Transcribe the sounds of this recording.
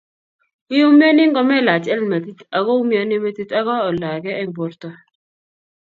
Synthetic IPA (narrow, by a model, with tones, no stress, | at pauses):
ɪ˦u˦mja˦nɪ˦ŋɡɔ˦mɛ˦la˨t͡ʃɛ˦lma˨t̪i˦t̪a˨ɡɔ˦u˦mja˦nɪ˦me˦t̪i˦t̪a˦ɡɔ˦ɔ˨la˨ɡɛ˦ɛ˦bɔ˨ɾt̪ɔ˦